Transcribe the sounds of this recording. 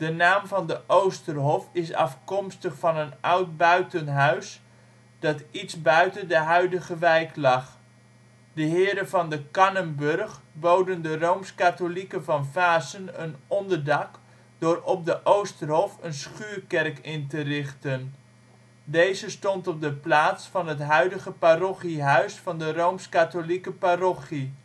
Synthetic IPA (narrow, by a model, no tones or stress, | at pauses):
d̥ənaːmvɑndəʔowstərɦɔfɪsɑ̰fkɔmstəχfɑnənʔʌwt̚bœɥtənɦœɥs | d̥ɑtitsbœɥtəndəɦœɥdəɣəʋɛjklɑχ | dəɦɪːɾənvɑndəkɑnəmbørχbowdəndərowmskatolikəvɑnfaːsənənɔndəɹdɑk | d̥ʊːrɔp̚dəʔowstərɦɔfənsχyːrkɛrkɪntərɪχtən | dejzəstɔntɔp̚dəplaːtsfɑnɦətɦœɥdəɣəparɔχiɦœɥsfɑndərowmskatolikəparɔχi